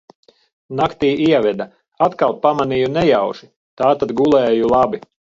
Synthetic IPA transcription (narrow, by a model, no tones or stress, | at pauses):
nakt̪iːiɛvɛd̪a | at̪kalˠpamanijunɛjawʒi | t̪aːt̪ad̪ɡulˠɛːjulˠabi